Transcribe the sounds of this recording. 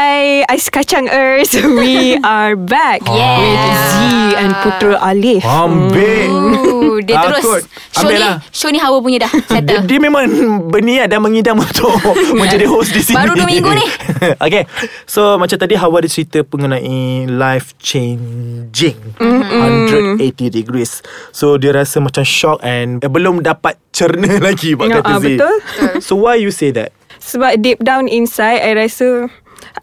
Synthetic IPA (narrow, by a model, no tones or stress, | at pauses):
ajajsə̥kat͡ʃaŋəɹswiaɹbɛkjɛwɪziɛ̃nput̪ɾəʔalifambe | daəɾʊskɔt | ʃamobɪlaʃonĩɦawap̬uɲədahddiəmẽmãŋbəniaʔdanmə̃ŋidamunt̪ʰʊʔmə̃ɲd͡ʒadiɦosdisibaɾumĩŋɡuniʔokesomat͡ʃamt̪adiɦawadit͡ʃəɾit̪əpəŋunãʔilajft͡ʃẽnd͡ʒɪ̃ŋhãnɾədetidiɡɾisːodiəɾasəmãt͡ʃamʃɔkɛ̃nbəlomdapat̪̚t͡ʃəɾnəlaɡibaʔkaʔ̪əbsəit̪lsowajjused̪ɛ̰t̚səbap̚dip̚dãw̃nĩnsajdajɹasə